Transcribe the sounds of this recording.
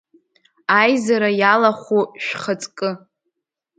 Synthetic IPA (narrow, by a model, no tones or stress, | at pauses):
ajzaɾajalaχʷuʃᶣχət͡sʼkʼɨ